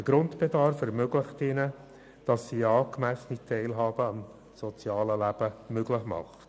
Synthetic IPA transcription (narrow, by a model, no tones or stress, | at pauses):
əɡ̥ɾʊntb̥edɑɾfɛɾmøɡlɪχtɪnə | d̥ɑsːiɑːkmæsənitʰɛɪlɦɑːb̥əɑm | sɔt͡sjɑːləlæb̥əmøɡlɪχmɑ̰χt